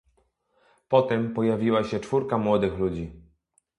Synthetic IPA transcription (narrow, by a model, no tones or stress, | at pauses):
pɔt̪ɛmpɔjavʲiwaɕɛt͡ʂfuɾkamwɔd̪ɘxlud͡ʑi